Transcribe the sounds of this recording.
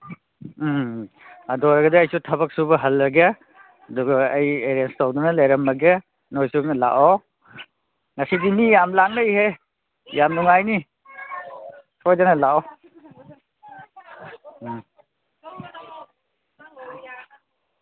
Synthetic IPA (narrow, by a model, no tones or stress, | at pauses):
ɐdɔɾɐɡɐdiɐjsutʰɐbɐk̚subɐɦɐlːɐɡa | ɐduɡɐːjeɾenstawdunɐlajɾɐmːɐɡa | nojsukla̰ʔɔ | ŋɐsidimijamlaŋnɐjɦe | jamnuŋajni | sʰojdanɐlaʔɔ